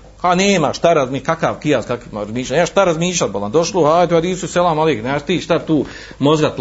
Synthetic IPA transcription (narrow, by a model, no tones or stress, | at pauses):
aneːmaʃt̪aɾazmikakaʋkijaskakimɾazmiːʃlaɲneːmaʃt̪aɾazmiːʃlʲat̪̚boland̪oʃlohaːjt̪uad̪iːsuselˠamalˠiːkneaʃt̪iːʃt̪at̪uː | mozɡat̪